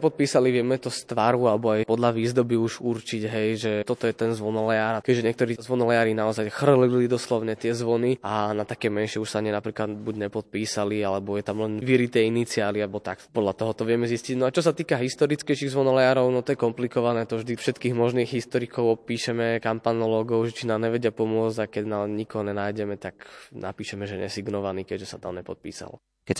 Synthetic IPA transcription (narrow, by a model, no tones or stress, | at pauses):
ɛpɔt̪̚piːsaliʋɪɛmɛt̪ɔst̪ʋaɾualɛbɔajpɔd̪laʋiːzd̪ɔbiuʒuɾt͡ʃiɟɦɛjʒɛt̪ɔt̪ɔjɛt̪ɛnzʋɔnɔlɛjaːɾakɛʒɛɲɛkt̪ɔɾiːzʋɔnɔlɛjaːɾinaɔzajxr̩lilid̪ɔslɔʊɲɛt̪ɪɛzʋɔnianat̪akɛmɛnʃɪɛuʃsaaɲɛnapɾiːklad̪buɟɲɛpɔt̪̚piːsalialɛbɔjɛt̪amlɛnʋiɾit̪ɛinit͡siaːliaɛbɔt̪akpɔd̪lat̪ɔɦɔt̪ɔʋɪɛmɛzisciɟnɔat͡ʃɔs̬at̪iːkaɦist̪ɔɾit͡skɛjʃiːɣzʋɔnɔlɛjaːɾɔʊnɔt̪ɔjɛkɔmplikɔʋanɛːt̪ɔvʒd̪ifʃɛt̪kiːɣmɔʒniːɣɦist̪ɔɾikɔʊɔpiːʃɛmɛkampanɔlɔːɡɔʊʒɛt͡ʃinaːmɲɛʋɛɟɪapɔmʊɔd͡zɟakɛɟnaːmɲikɔɦɔɲɛnaːjɟɛmɛt̪akna̰piːʃɛmɛʒɛɲɛ̰siɡnɔʋaniːkɛɟʒɛsat̪a̰mɲɛpɔt̪̚pḭːsa̰l | kɛc